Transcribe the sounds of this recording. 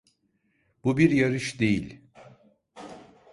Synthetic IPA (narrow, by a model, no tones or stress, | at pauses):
b̥ubiɾjaɾɯʃd̪e̞jilʲ